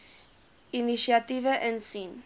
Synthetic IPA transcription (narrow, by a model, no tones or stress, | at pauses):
inisiat̪ivəʔɛnsin